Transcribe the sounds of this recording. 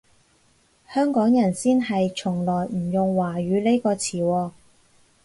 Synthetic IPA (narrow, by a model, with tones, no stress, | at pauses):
hœː˥ŋkɔː˨˥ŋjɐ˨˩nsiː˥nɦɐ˨jt͡ʃʰʊ˨˩ŋlɔː˨˩jm̩˨˩jʊ˨ŋwaː˨˩ɥyː˨˧le˥jkɔː˧t͡sʰiː˨˩wɔː˧